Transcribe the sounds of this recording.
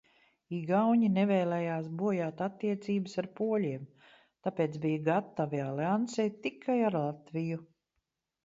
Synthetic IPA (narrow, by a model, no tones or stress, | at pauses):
iɡawɲinevɛːlɛjaːsbuɔjaːt̪at̪ːiɛt̪siːbɨsaɾpuɔlʲiɛm | t̪apeːt̪sbijaɡat̪ːavialɛansɛjt̪ːikʰːajaɾlˠat̪viju